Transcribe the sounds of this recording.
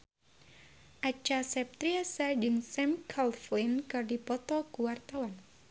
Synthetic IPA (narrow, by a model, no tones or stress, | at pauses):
ʔat͡ʃasɛp̚t̪ɾiasad͡ʒɨŋsɛmkʰalfinkɨrdipɔt̪ɔkuwart̪awan